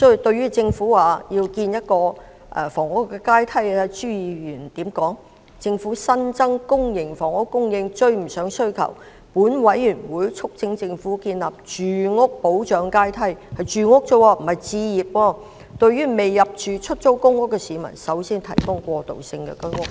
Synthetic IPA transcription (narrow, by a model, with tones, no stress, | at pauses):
sɔ˥˨˩t̪ɵ˧ɥyː˥t͡sɪ˧ŋfuː˨˥waː˨˩jiː˧wkiː˧njɐ˥t̚kɔː˧ | ʔɛ̰˧˩fɔː˨˩ŋʊ˥kːɛ˧kaː˥jt̪ʰɐ˥jɛ˧t͡ʃyː˥jiː˨jyː˨˩nt̪iː˨˥mkɔː˨˥ŋ | t͡sɪ˧ŋfuː˨˥sɐ˥nt͡sɐ˥ŋkʊ˥ŋjɪ˨˩ŋfɔː˨˩ŋʊ˥kːʊ˥ŋjɪ˧ŋt͡ʃɵ˧ɥm̩˨˩sœː˨˥ŋsɵ˥ɥkʰɐ̰˨˩w | puː˨˥nwɐ˨˥jjyː˨˩nwuː˨˥jt͡sʰʊ˥k̚t͡sɪ˧˥ŋt͡sɪ˧ŋfuː˨˥kiː˧nlaː˨p̚t͡ʃyː˨ŋʊ˥k̚po˨˥wt͡ʃœː˨˥ŋkaː˥jt̪ʰɐ˥jhɐ˨jt͡ʃyː˨ŋʊ˥k̚t͡so˥˧waː˧m̩˨˩hɐ˨jt͡siː˧jiː˨p̚wɔː˧ | t̪ɵ˧ɥyː˥me˨jːɐ˨p̚t͡ʃyː˨t͡ʃʰɵ˥t̚t͡so˥wkʊ˥ŋʊ˥k̚ːɛ˧siː˨˧mɐ̰˨˩nsɐ˨˥wsiː˥nt̪ʰɐ˨˩jkɔː˥ŋkʷɔː˧t̪o̰˨wsɪ˧ŋkɛ̰ː˧ko˥ŋʊ˥k̚